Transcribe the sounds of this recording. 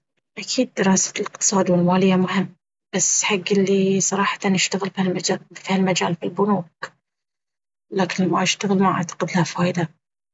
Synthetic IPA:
ʔakʰiːd̪̚ːɪɾˤɑːsḁlɪqt̪ɨ̥sˤɑːd̪wɪlmaːlɪjːamʊhɪmː | b̥asːħaɡːɪlːisˤɑɾˤɑːħḁt̪anɪʃt̪aɣɪlfialmad͡ʒafihalmad͡ʒaːlfilbʊnuːk̚ | laːkɪnlamːaʔaʃt̪aɣɪlmaʕʔa̰ʕt̪ḁqɪd̪lhafaːjd̪a

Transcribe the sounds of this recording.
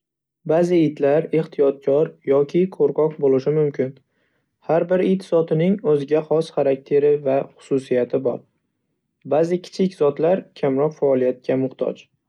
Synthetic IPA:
bazɪɪt̪laɾeht̪ʰijɒt̪̚kʰʲɒɾjɒkʲʰɪkʰoɾqɒqbolˠɪʃɪmʊmkʲʰɪn | haɾbɪɾɪt̪zɒt̪ʰɪnɪŋɵzɪɡʲaχɒsχaɾak̚ʲt̪ʰe̞ɾɪvaχʊ̥susijat̪ʰɪbɒ̰ɾ | bazɪkʲʰɪ̥t͡ʃʰɪkʲz̥ɒt̪laɾkʲʰamɾɒqfaːlˠijat̪̚kʲʰamʊχt̪ʰɒ̰d͡ʒ

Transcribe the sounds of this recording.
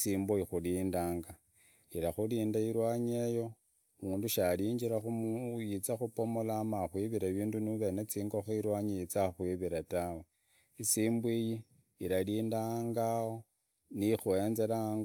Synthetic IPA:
siːmboixuliːndaːŋɡa | iɾaxuliːndaiɾwaːɲejo̞ | muːnduʃaliːɲd͡ʒiɾaxumjit͡saxupo̞molamaxwiβiɾaβiːndunuβe̞net͡siːŋɡo̞xoiɾwaːɲijit͡saxwiβiɾatawe | isiːmbwiji | iɾaliːndaŋɡao | nixuenzelaŋɡ

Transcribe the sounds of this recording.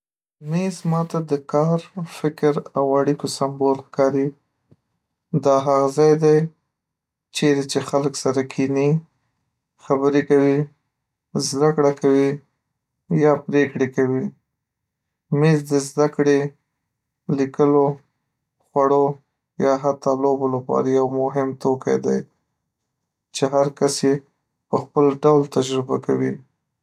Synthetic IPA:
mezmɑt̪ad̪əkɑɾfɪkɾawaɽikosambolxkɑɾi | d̪ɑɦaɣzɑjd̪aj | t͡ʃeɾet͡ʃexaləksaɾakʰini | xabəɾekawi | zd̪akɽakawi | jɑpɾekɽekawi | mezd̪əzd̪akɽe | likəlo | xwaɽo | jɑɦat̪ɑlobolapɑ̰ɾajawmʊɦɪmt̪oka̰jd̪aj | t͡ʃeɦaɾkasje | pəxpəlɖawlt̪ad͡ʒɾɪbakawi

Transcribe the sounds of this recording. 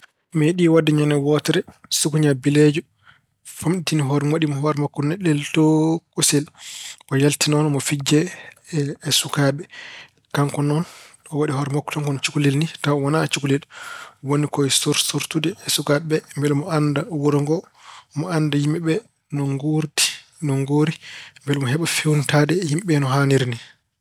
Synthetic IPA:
mɛɗiwadːɛɲɔnɛwɔtɛɾɛsukuɲabiled͡ʒu | famɗitiniɦɔɾwaɗimɔɦɔɾɛmakːɔnɛɗɛltɔkusɛlʔɔjaltinɔnmɔfid͡ʒːɛː | sukaɓɛ | kaŋkɔnɔn | ɔwaɗiɦɔɾɛmakːɔ̥taŋkɔnt͡ʃukulelnitawwanat͡ʃukulɛlwonikɔɛsoɾsoɾtudɛːsukaɓɛmbɛlmɔandawɔɾɔŋɡɔ | mɔandajimɛɓɛ | nɔŋɡoɾti̥ | nɔŋɡoɾimbɛlmɔɦɛɓafewntadɛhimɓɛnɔɦaniɾni

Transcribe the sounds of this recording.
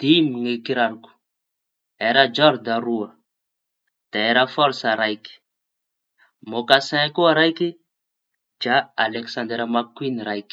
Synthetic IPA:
d̪̥imiŋekiɾaɾuku̥ | eɾad͡ʒɔɾd̪aɾuə | d̪̥aeɾafɔɾsaɾajki̥ | mokasɛ̃kuaɾajki | d͡ʒaːleksãnd̪eɾmakwinɾajki̥

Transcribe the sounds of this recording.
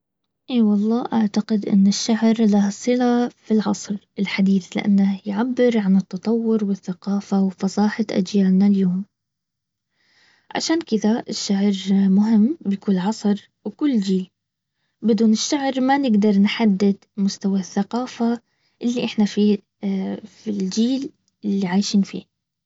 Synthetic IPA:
ʔeːwɑlˤːɑːʔaʕt̪aqɪd̪ʔɪ̰nːɪʃːaʕɾlahsˤɨlafilʕɑ̰sˤɾ | ɪlħad̪iːθlɪ̰ʔa̰nːajʕabːɪɾʕanɪt̪ːɑt̪ˤɑwːʊɾwɪθːaqɑːfawfɑsˤɑːħaʔa̰d͡ʒjaːnnaljoːm | ʕa̰ʃaːnkɪðaɪʃːaʕɾmʊɦɪmːbɪjkuːlʕɑsˤɾ | wkʊlːd͡ʒiːl | bɪd̪uːnɪʃːaʕɾmanɪɡd̪ɑɾˤnħad̪ːɪd̪mʊst̪awaθːaqɑːfa | ʔɪlːiʔɪħnafi | fild͡ʒiːl | ɪlːiʕaːjʃiːnfḭː

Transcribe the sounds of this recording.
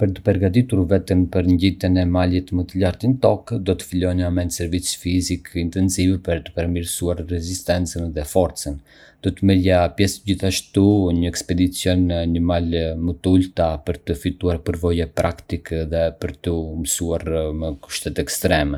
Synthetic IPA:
pəɾt̪ə̥pɛɾɡat̪it̪uɾvɛt̪əmpəɾɲɟit̪ənɛmalɛt̪mət̪əlaɾt̪int̪ɔkd̪ɔt̪ə̥filɔjnəamɛnt̪sɛɾvit͡sfizikint̪ɛnsivɛpəɾt̪ə̥pəɾmiɾsuaɾːɛzist̪ɛnt͡sənðɛfɔɾt͡sən | d̪̥ɔt̪əmɛljapjɛsɟiθaʃt̪uɲəɛkspɛd̪it͡sjɔnɲəmalmət̪əult̪apəɾt̪əfit̪uaɾpəɾvɔjɛpɾakt̪ikɛðɛpəɾt̪əmsuaɾmɛku̥ʃt̪ɛt̪ɛkst̪ɾɛmɛ

